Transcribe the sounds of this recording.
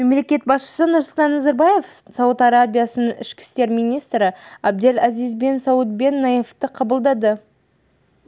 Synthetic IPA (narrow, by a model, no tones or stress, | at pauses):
memle̞kʲe̞t̪̚bɑsʃə̥sənʊɾsʊlˠt̪ɑnːɑzaɾbaje̞fsɑwət̪ɑɾabʲijasənəʔɪʃkʲɪ̥st̪e̞ɾmijnijst̪ɾɪæb̚d̪e̞læzijzbe̞nsɑwət̪̚be̞nːɑjeft̪əqʰɑbəlˠd̪ɑd̪ə